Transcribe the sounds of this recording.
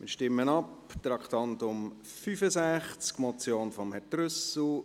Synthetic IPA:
mɪ̰ɾʃtɪmːənɑpt̪ɾɑkt̪ɑntʊm | fyfəsæχt͡skmɔt͡sjoːnfɔmhɛtɾʏsl̩

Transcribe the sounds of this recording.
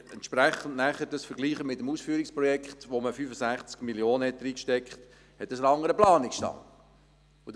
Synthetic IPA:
ɛnt̪ʃpɾæχən̩tnæχədɑsfəɾɡliːχəmɪtːəmuːsfyːɾikspɾɔjɛkχt̪ʋoməfyfəsæχt͡skmiljoːnəɛt̪ːəɾiːkʃtɛkχt̪ | hɛt̪əsənɑŋːəɾəplɑːnɪksʃtɑ̰ŋ | ud

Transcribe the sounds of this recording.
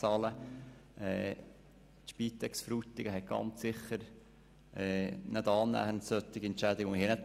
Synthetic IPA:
ɑːləʔɛ̰ː | t̪ʃpiːt̪ɛksfɾuːt̪ɪɡəɦɛɡ̥ɑ̰nt͡sːɪχːəɾ | ɛːnəd̪ɑːnːæ̰ːhəntsœt̪ːɪɡ̥iɛntt͡ʃæd̪ɪɡŋmhiːnɛt̚

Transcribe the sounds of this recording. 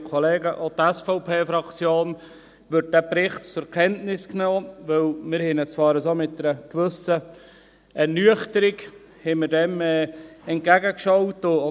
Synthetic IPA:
kʰɔleːɡəʔotɛsfɔʊpʰeːfɾɑkt͡sjoːn | ʋʏt̚d̥æpɾɪχtt͡sʊɾkʰɛntnɪsknoːʋɪlmɪɾhɛnət͡sʋɑːɾəsomɪt̚dɛɾəkʋʏsə | ɛɾnyəχtəɾɪk | hɛməɾdɛmɛːɛnt̚ɡ̥æɡəkʃɑwtʊ

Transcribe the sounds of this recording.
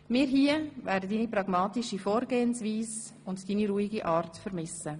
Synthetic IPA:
mɪːɾɦiəvɛːɾdədiːnipɾɑɡmɑːtɪʃifoːɾɡeːənsviːs | ʊntd̥iːniɾuːiɡiʔɑːɾtfəɾmɪsə

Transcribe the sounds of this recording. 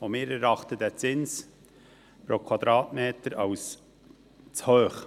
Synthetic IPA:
omɪːɾɛɾɑχt̪ədæt͡sɪns | pɾokʰwɑd̪ɾɑːtmeːtəɾɑws | t͡shœːχ

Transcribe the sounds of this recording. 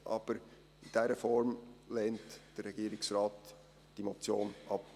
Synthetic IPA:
ʔɑːb̥əɾ | ɪnd̥eːɾəfɔɾmlɛːntd̥ɛɾːɛɡiːɾɪksraːt | d̥imot͡sjoːnʔɑp

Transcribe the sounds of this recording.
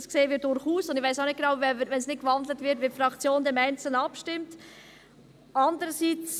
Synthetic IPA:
skseːəvɪːdʊɾχuːsʊndɪxʋaɪsaʊnɪt̚ɡ̥enɑʊvɛvəʋɛnsnɪt̚kvɑndlətvɪtʋɪtfɾɑkt͡sjoːndemæɪnt͡sl̩nɑpʃtɪmt | ɑndəɾəsiːt͡s

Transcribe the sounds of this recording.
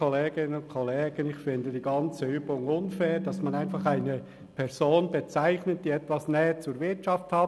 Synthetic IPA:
oleːɡɪnənʊnkʰɔleːɡ̥ənɪçfɪndədiːɡɑnt͡səyːbʊŋʊnfɛːɾd̥ɑsmɑnaɪnfɑχaɪnə | pʰɛʁzoːnbet͡saɪçnət̚d̥iːɛtvɑsnɛːət͡suːɾvɪɾtt͡ʃɑfthɑː

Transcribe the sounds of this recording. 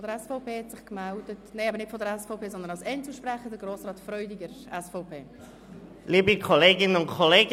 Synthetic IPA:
ɔdəɾɛsfoʊpeːhɛtsɪχkmɛldətneɪɛbəɾnɪtfɔdəɾɛsfoʊpʰeːzɔndənɑwsɛnt͡suʃpɾɛχədəɡɾoːsrɑːtfɾœʏdiɡəɾ | ɛsfoʊpʰeː | liːbəkʰɔleːɡɪnənʊntkʰɔleːɡ

